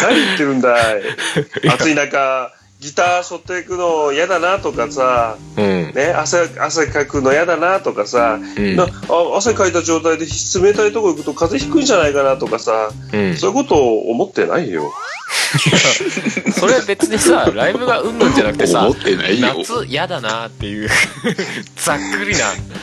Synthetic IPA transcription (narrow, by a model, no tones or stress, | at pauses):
naɲʲiit̪ːeɾɯ̟̃nd̪a | at͡sɨinãŋka | ɡʲit̪aːɕo̞t̪ːekɯ̟no̞jad̪anat̪o̞kasa | ne̞aseas̬ekakɯ̟no̞jad̪anat̪o̞kasanaaas̬akait̪aʑo̞ːt̪̬aid̪e̞çi̥t͡sɨme̞t̪ait̪o̞koikɯ̟t̪o̞kaze̞çi̥kɯĩɲd͡ʑanaikanat̪o̞kasa | so̞ːiko̞t̪o̞̰ːmo̞t̪ːe̞̰na̰ijo̞̰ | soɾebe̞t͡sɨɲisaɾaibɯ̟ɡaɯ̟̃ndanakɯ̥eamot̪ːena̰io̰t͡sɨjad̪anat̪ːe̞jɯ | d͡z̥akːɯɾʲina